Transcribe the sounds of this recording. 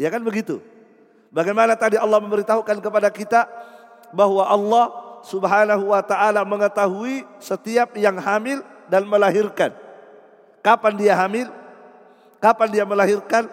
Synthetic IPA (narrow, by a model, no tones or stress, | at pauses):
jakanbəɡit̪ṵ | baɡajmanat̪adiɑlːɑhməməɾit̪aɦukankəpadakit̪a | baɦwaʔɑlːɑhsubɦanaɦuwat̪aʔːlaməŋət̪aɦuisət̪iap̚jaŋɦamɪldanməlaɦirkan | kapandiaɦamɪl | kapandiaməlaɦirkan